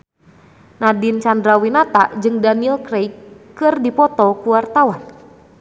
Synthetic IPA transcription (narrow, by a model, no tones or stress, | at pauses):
nadint͡ʃandɾawinat̪ad͡ʒɨŋdanilkɾejkkːɨrdipɔt̪ɔkuwart̪awan